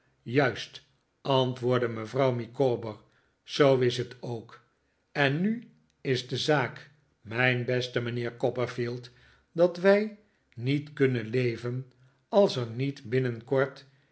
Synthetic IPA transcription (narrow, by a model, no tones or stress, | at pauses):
jœɥst | ʔɑntʋʊːɹdəməvrɑwmikoːbəɹ | z̥owɪsɦətʰowk | ɛnːy | ɪzdəzaːk | mɛjnbɛstəmənɪːɹkɔpəɹfilˠt | dɑtʋɛj | nitkɵnənlejvən | ɑlˠsəɹnitbɪnənkɔɹt